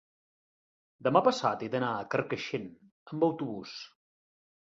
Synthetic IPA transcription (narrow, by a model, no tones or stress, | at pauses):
d̪əmapəsat̪ed̪ənaəkərkəʃen | əmbəwt̪uβus